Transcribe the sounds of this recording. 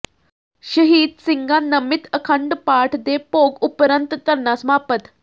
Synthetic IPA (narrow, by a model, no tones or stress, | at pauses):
ɕəɦiːd̪siŋɡanəmit̪əkʰəɳɖpaʈʰd̪epoɡupɾənt̪t̪əɾnːasmapət̪